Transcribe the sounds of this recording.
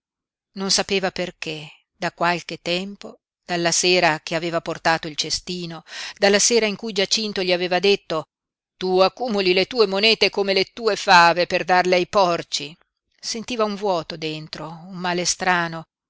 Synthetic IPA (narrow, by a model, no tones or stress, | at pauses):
nonsapeːvaperke | d̪̥akwalket̪ːɛmpo | d̪̥alːaseːɾakeaveːvaport̪aːt̪oilt͡ʃest̪iːnod̪alːaseːɾaiŋkujd͡ʒat͡ʃint̪oʎiaveːvad̪et̪ːo | t̪uakːuːmulilet̪uːemonɛːt̪ekomelet̪uːefaːveperd̪arleajpɔrt͡ʃi | sent̪iːvauɱvwɔːt̪od̪ent̪ɾoumːaːlest̪ɾaːno